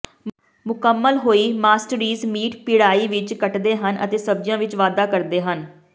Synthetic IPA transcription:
mʊkəmːəlɦoːiːmaːsʈɾiːzmiːʈpɪɽaːiːʋɪt͡ʃkəʈd̪eːɦənʔə̰t̪eːsəb̚d͡ʒɪjãːʋɪt͡ʃʋaːd̪aːkəɾd̪eːɦən

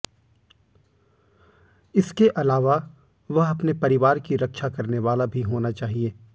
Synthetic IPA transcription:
ɪskeʔɐlaːʋa | ʋɐɦɐpnepɐɾɪʋaːɾkiɾɐkʃakɐɾneʋaːlabʱiɦoːnat͡ʃaːɦieː

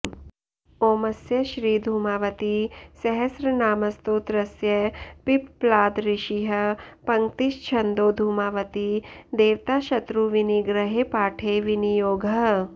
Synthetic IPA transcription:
oːmɐsjɐʃɾiːd̪ʱuːmaːʋɐt̪isɐɦɐsɾɐnaːmɐst̪oːt̪ɾɐsjɐpipplaːd̪ɾɪʃiɦɐpɐ̃ŋt̪iʃt͡ʃʰɐnd̪oːd̪ʱuːmaːʋɐt̪id̪eːʋt̪aːʃɐt̪ɾuʋiniɡɾɐɦepaːʈʰeːʋɪnijoːɡʱɐ

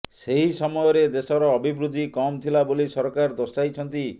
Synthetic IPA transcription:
seɦisɔmɔjɔɾed̪esɔɾɔːbʱibɾud̪ʱːikɔmt̪ʰilabolisɔɾkaɾd̪ɔsajt͡ʃʰɔnt̪i

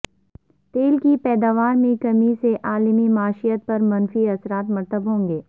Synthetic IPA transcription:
t̪eːlkipɛːd̪aːʋaːɾmẽkɐmiseʔaːlmimaːʃijət̪̚pɐɾmɐnfiɐsɾaːt̪mɐɾt̪əbɦõːŋɡeː

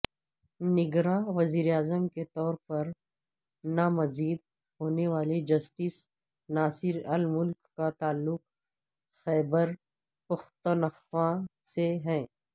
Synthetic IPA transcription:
nɪɡɾaʋɐziːɾeaːzəmket̪ɔːɾpɐɾ | namɐziːd̪̚ | hoːneʋaːled͡ʒɐsʈis | naːsɪɾɐlmʊlkːat̪aːlːʊq | xɛːbəɾ | pɐxt̪ənəxwã | seɦɛ̃ː

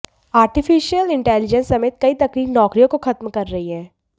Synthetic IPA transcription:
aːɾʈifɪʃijəlɪ̃ɳʈɛːlɪd͡ʒə̃nsːɐmeːt̪̚kɐit̪ɐkɾiːknɔːkɾijõkoxɐt̪mkɐɾːɐɦiɦɛ̃ː

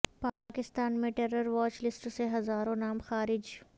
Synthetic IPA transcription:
paːkɪst̪aːnmẽʈeɾəɾʋaːt͡ʃlɪsʈoseɦɐzaːɾõnaːmxaːɾɪd͡ʒ

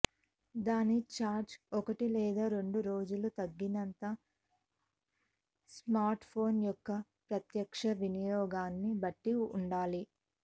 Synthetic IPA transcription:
d̪aːnit͡ʃaːɾd͡ʒɔkɐʈilɛːd̪aːɾe̞ɳɖuɾo̞ːd͡ʒulut̪ɐɡːinɐnt̪ɐ | smaːɾʈpʰo̞ːnjɔkːɐ | pɾɐt̪jɐkʂɐʋinɐjɔːɡaːnːibɐʈːiuɳɖaːli

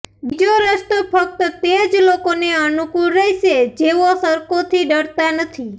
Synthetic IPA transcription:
bid͡ʒoɾəst̪opʰək̚t̪ət̪ẽd͡ʒlokoneənukuɾːəɦʃed͡ʒeʋosəɾkot̪ʰiɖəɽt̪anət̪ʰi

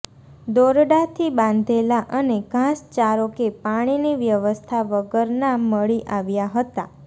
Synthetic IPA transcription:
d̪oɾɖat̪ʰibãnd̪ʱelaʔəneɡʱãst͡ʃaɾokepaɽ̃iniʋjəʋəst̪ʰaʋəɡəɾnaməɭiʔaʋjaɦət̪a

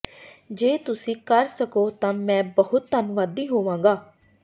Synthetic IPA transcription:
d͡ʒeːt̪ʊsĩːkəɾsəkoːt̪ãːmɛ̃ːbəɦʊt̪ːənʋaːd̪iːɦoːʋãːŋɡaː

